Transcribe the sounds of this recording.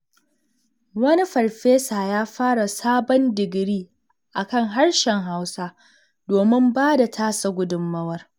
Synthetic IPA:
wɐ˦ni˦ɸɐ˨rɸeː˦saː˨jaː˦ɸaː˦ɽa˨saː˦bɔ˦ndɪ˨ɡɽiː˦ | ʔa˨kɐ˦˨ŋɦa˦rʃɛ˨ŋɦa˦wsa˦ | doː˨mɪ˦mbaː˦da˨tʰaː˦sa˨ɡʷʊ˦dʊ˨mːɐ˦wɐ˦r

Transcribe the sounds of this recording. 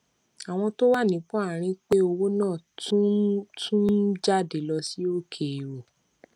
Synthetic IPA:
a˨w̃ɔ̃˧to˦wa˦˨nĩ˨˦k͡pɔ̃˦a˦˨ɾ̃ĩ˧k͡pe˦o˧wo˦nãː˦˨tũ˦tʰũ˦d͡ʒa˦˨de˨˦lɔ˧si˦o˦kʰe˨ɾo˨

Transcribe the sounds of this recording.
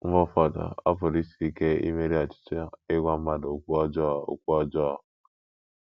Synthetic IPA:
ɔ˦fa˨da̰˨a˦po˨ɾi˦si˨i˦ke˦ḭ˦me˦ɾi˦a˨t͡ʃi̥˦t͡ʃe˦e˦ɡʷa˦m̩˦ma˦do˨kʷu˦ɔ˦d͡ʒɔ˦˨o̰˨kʷu˦ɔ˦d͡ʒɔ˦˨

